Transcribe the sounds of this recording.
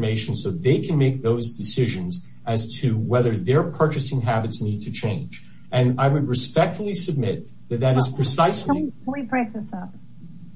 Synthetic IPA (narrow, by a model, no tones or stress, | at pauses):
meɪʃn̩soʊðeɪkʰɨ̃nmeɪk̚ðoʊzdɨsɪʒɨ̃nz | ʔɨz̥tʰɨwɛðə˞ðə˞pʰɜ˞t͡ʃɨsɪ̃ŋɦæbɨtsnid̚tʰɨt͡ʃʰẽɪ̃nd͡ʒ | ʔɨ̃naɪwɨd̚ɹɨspɛk̚tfl̩ˠisɨb̚mɪt̪̚ | ðɨt̪̚ðɨɾɨz̥pʰɹ̥ɨsaɪsiiwibɹeɪk̚ðɪsʌp̚